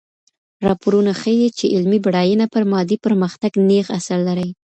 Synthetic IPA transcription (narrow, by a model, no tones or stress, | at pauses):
ɾɑpoɾunaxəjet͡ʃeʔɪlmibaɽɑjənapəɾmɑd̪ipəɾməxt̪aɡnexasaɾlaɾəj